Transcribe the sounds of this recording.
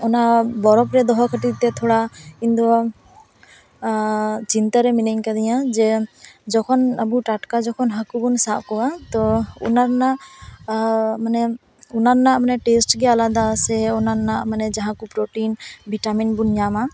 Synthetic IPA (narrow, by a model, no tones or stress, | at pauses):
ɔnabɔɾɔpɾɛd̪ɔɦɔkʰəʈit̪ɛt̪ʰɔɽaind̪ɔ | t͡ʃint̪aɾɛminəɲkad̪ɛjad͡ʒɛd͡ʒɔkʰɔnəbuʈaʈkad͡ʒɔkʰɔnɦakubunsaʔkɔat̪ɔṵnaɾnaʔ | manɛ | unaɾnaʔmanɛʈesʈɡɛalad̪asɛɔnaɾnaʔmanɛd͡ʒaɦãkɔpɾoʈinbʱiʈaminbunɲama